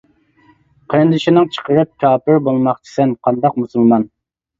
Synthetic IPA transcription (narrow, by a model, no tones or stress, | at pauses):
qʰənd̪ɨʃinɨŋt͡ʃʰə̥qəɾɨp̚kʲʰɑːpɪɾbolˠmɑqt͡ʃʰi̥sɛnqʰɑnd̪ɑq̚musulˠmɑn